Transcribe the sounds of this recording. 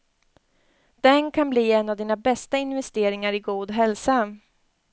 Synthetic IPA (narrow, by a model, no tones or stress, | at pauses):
d̪̥ɛnkʰanbliːɛnːavd̪iːnabɛst̪aɪnvɛst̪eːɾɪŋaɾɪɡuːd̪ɦɛlsa